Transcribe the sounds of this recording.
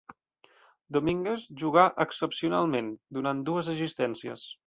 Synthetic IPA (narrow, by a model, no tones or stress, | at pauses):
d̪omiŋɡezʒuɣaʔəksəpsiuna̰lˠmend̪unan̚d̪uəzəzist̪ɛnsiə̰s